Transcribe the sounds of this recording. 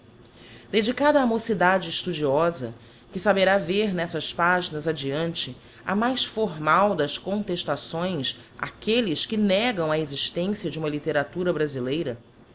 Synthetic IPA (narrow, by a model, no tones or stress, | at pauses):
d̪ed͡ʒikad̪ɐaːmosid̪ad͡ʒɪːʃt̪ud͡ʒiɔzɐ̰ | kɪsabeɾaveɾnɛsɐspaʒinɐzad͡ʒiɐ̃nt͡ʃɪ | ɐ̰majsfoɾmawd̪ɐskõnt̪eʃt̪asõj̃s | a̰kelɪskɪnɛɡɐ̃w̃ɐeziʃt̪ẽsiɐd͡ʒɪũmɐlit̪eɾat̪uɾɐbɾazilejɾɐ